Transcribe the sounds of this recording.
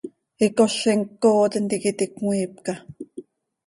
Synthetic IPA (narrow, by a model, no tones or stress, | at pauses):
ikoɬeŋkoːt̪ent̪ikit̪ikŋʷiːp̚ka